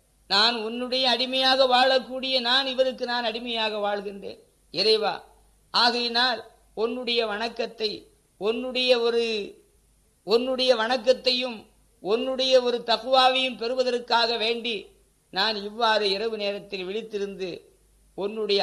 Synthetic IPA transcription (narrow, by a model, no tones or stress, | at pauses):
naːnɔnːɯɽɐjɐːɽɪmɐjaːɣɐʋaːɭɐkːuːɽɪjɐnaːnɪʋɐɾɯkːɯnaːnɐɽɪmɐjaːɣɐʋaːɭɣɪnrḛːn | ɛɾɐɪʋa̰ː | ʔaːɣɐjɪnaːl | ɔnːɯɽɐjɐʋɐɳɐkːɐt̪ːɐɪ | ɔnːɯɽɐjɐɔɾɯ | ɔnːɯɽɐjɐʋɐɳɐkːɐt̪ːɐjɯm | ɔnːɯɽɐjɐɔɾɯt̪ɐkɯʋaːʋɪjɯmpɛɾɯʋɐðɐrkːaːɣɐʋeːɳɖi | naːnɪʋːaːɾɯɪɾɐʋɯneːɾɐt̪ːɪlʋɛɭɪt̪ːɪɾɯnd̪ɯ | ɔnːɯɽɐjɐ